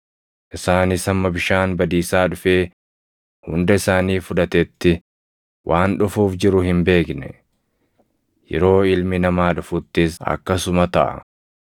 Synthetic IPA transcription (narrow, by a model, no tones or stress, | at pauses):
ʔɪsaːnɪsɐmːɐbɪʃaːnbɐd̪iːsaːᶑʊfeː | hʊnd̪ɐɪsaːniːfʊᶑɐt̪ɛt̪ːɪ | wʔaːnᶑʊfuːfd͡ʒɪɾʊhɪmbe̞ːknɛ̰ | jɛ̰ɾo̞ːɪlmɪnɐmaːᶑʊfʊt̪ːɪsɐ̰kːɐsʊmɐt̪ɐʔɐ̰